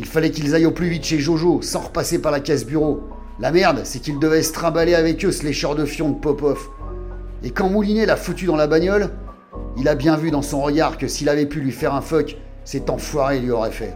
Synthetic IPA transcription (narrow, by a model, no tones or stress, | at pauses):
ilfalɛkʲilzajõplyvit̪ʃeʒoʒosɑ̃ʁəpasepaʁlakʲazbyʁo | lamɛʁd̪sɛkild̪əvɛsə̥t̪χɑ̃baleavɛkøsleʃœʁd̪əfjɔ̃d̪əpɔpɔf | ekɑ̃mulinelafut̪yd̪ɑ̃labaɲɔl | ilabjɛ̃vyd̪ɑ̃sɔ̃ʁəɡaʁkəsilavɛpylɥifɛʁɛ̃fɔk | sɛt̪ɑ̃fwaʁelɥiɔʁɛfɛ̰